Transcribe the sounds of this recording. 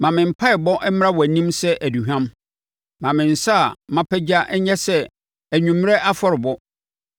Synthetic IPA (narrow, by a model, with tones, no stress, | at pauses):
mã˨mɪ̃˨m̩˨pʰa˦ɪ˨bɔ̃˦ʔm˦ã˦wɔ˨æ˨nĩ˦msɛ˦ʔæ˨du˨ɦᶣã˦m | mã˨mɪ̃˨n̩˨sa˦a˨mã˦pʰɛ˦d͡ʑa˦ʔɛ˦ɲɛ̃˦sɛ˦ | æ˨ɲũ˨mː˦ɛ˦ʔa˦fɔ˦ɾɪ˨bɔ˦